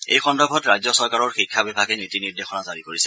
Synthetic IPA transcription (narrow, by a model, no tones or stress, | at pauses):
ḛjxɔndɔbʱɔtɹajzɔsɔɹkaɹɔɹxikʰːabɛbʱaɡɛnitiniɹdexɔnazaɹikoɹisɛ